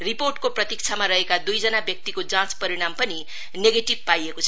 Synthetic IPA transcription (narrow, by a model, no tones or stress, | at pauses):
riporʈkoprʌt̪ik̚t͡sʰamaɾʌɦekad̪ujd͡zʌnabjʌk̚t̪ikod͡zãt͡spʌɾiɽ̃ampʌni | neɡeʈib̚pajekot͡sʰʌ